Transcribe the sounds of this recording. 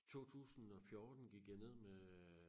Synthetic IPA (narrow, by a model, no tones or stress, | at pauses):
t͡sʰo̝̰ːt͡sʰṵːsn̩ɒ̽fjɔːd̥n̩ɡ̥iɡ̥jæne̝ð̰ˠme